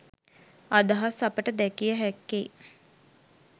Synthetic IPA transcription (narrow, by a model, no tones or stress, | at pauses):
ad̪əɦasapəʈəd̪ɛkijəɦɛkːe